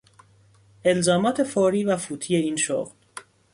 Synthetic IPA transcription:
e̞lzɒːmɒːt̪ʰe̞fɒːɾiːvæfuːt̪ʰiːje̞iːnʃo̰ɣl

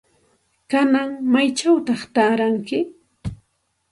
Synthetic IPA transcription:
kanaŋmajt͡ʃawt̪ɑχt̪aːɾaŋkɪ

